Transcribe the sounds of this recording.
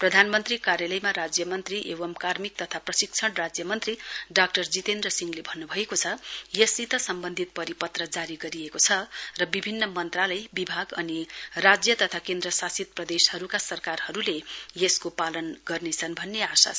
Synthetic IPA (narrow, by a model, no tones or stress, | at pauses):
prʌd̪ʱanmʌnt̪rikaɾjalʌjmaɾad͡zjʌmʌnt̪riʔewʌmkarmik̚t̪ʌt̪ʰaprʌsik̚t͡sʰʌɽrad͡zjʌmʌnt̪riɖak̚ʈʌrd͡zit̪end̪rʌsiŋlebʱʌnːubʱʌekot͡sʰʌjesit̪ʌsʌmbʌnd̪ʱit̪̚pʌɾipʌt̪rʌd͡zaɾiɡʌɾiekot͡sʰʌrʌbibʱinːʌmʌnt̪ralʌjbibʱaɡʌnirad͡zjʌt̪ʌt̪ʰakend̪rʌsasit̪̚prʌd̪eshʌɾukasʌrkarhʌɾulejeskopalʌnɡʌrnet͡sʰʌnbʱʌnːeasa̰s